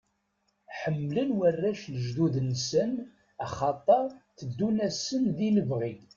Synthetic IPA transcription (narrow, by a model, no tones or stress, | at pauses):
ħəmːlənwərːæʃləʒd̪uðnsən | ɑχɑt̪ˤːɑθəd̪ːunæsənðiləvʁið